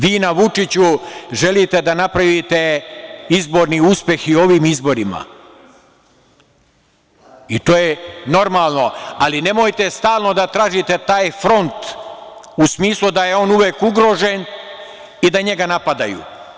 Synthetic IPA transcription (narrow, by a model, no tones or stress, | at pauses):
ʋiːnaʋut͡ʂit͡ɕuʒe̞lit̪e̞d̪anapɾaʋit̪e̞izbo̞ːɾniuspʲje̞xio̞ʋiːmizbo̞ɾima̰ | it̪o̞ːjeno̞ɾmaːlˠno̞aline̞mo̞ːjt̪e̞st̪aːlˠno̞d̪at̪ɾaːʒit̪e̞t̪aːjfɾo̞nt̪ | usmiːslˠud̪aje̞o̞ːnuʋeːkuɡɾo̞ːʒe̞n | id̪aɲe̞ɡanapad̪a̰jṵ